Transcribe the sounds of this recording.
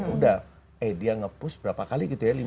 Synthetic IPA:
udah | ɛjdiaŋəpʊsbəɾapakaliɡit̪ujali

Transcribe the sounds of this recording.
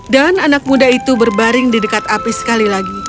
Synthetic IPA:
dananak̚mudait̪ubərbaɾɪŋdidəkat̪apisə̥kalilaɡi

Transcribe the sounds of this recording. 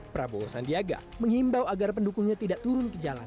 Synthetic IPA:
pɾabosandiaɡa̰məŋhimbawaɡarp̬əndukuŋɲat̪idaʔt̪uɾʊnkəd͡ʒala̰n

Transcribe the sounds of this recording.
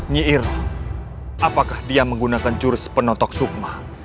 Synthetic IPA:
ɲiʔɪr | ʔapakahdiaməŋɡunakant͡ʃuɾɪspənɔt̪ɔk̚suk̚ma

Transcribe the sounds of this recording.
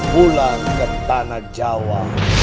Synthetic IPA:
bulankəmpanad͡ʒawa

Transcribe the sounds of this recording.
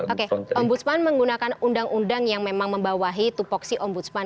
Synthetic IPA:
okeɔmbut̪̚spanməŋɡunakanundaŋʔundaŋjaŋmemaŋməmbawaɦit̪upɔk̚siʔɔmbut̪̚span

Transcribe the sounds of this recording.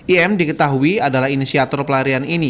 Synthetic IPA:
iɛmdikət̪aɦuiadalahinisiat̪ɔrpəlaɾianini

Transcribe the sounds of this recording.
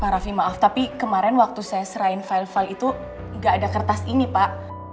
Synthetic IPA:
paɾafimaʔaft̪apikəmaɾɛnwak̚t̪usajasəɾaɪnfailfalit̪u | ŋɡaːdakərt̪asinipaʔ

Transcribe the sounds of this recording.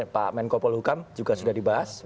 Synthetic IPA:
pa̰mɛnkɔpɔlhukamd͡ʒuɡasudahdibaɦas

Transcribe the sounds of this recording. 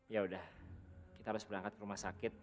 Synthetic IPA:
jaudahkit̪aɦaɾʊsbəɾaŋkat̪̚kəɾumahsakɪt̪̚

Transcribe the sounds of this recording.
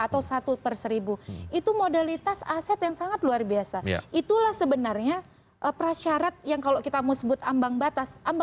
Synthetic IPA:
at̪awsat̪ut̪ərsəɾibuit̪umodalit̪asasɛt̪jaŋsaŋat̪̚luarbiasa̰it̪ulahsəbənarɲa | ʔəpɾaʃaɾat̪̚jaŋkalokit̪amausəbʊt̪ambaŋbat̪asʔamb

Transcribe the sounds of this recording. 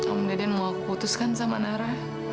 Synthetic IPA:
amdadianmakput̪uskansamanaɾa

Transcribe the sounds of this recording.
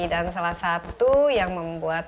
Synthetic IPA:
idansalahsat̪ujaŋməmbuat̪

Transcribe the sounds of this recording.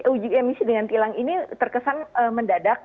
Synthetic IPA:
ud͡ʒujamisidəŋant̪ilaŋinit̪ərkəsanəməndadak̚

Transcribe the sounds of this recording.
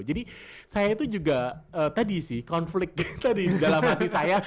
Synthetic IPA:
d͡ʒadisajait̪ud͡ʒuɡaəːt̪adisɪhkɔnflɪk̚t̪t̪adiidalamɦat̪isaja

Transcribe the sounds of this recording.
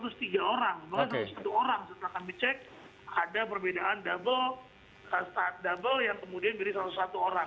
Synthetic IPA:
sat̪ʊst̪iɡaoɾaŋbakajsat̪ʊspat̪uoɾaŋsət̪akanbit͡ʃɛk̚ | adapərbedaandabəl | əst̪at̪̚dabəljaŋkəmudianbəɾisaɾat̪ʊsat̪uoɾaŋ

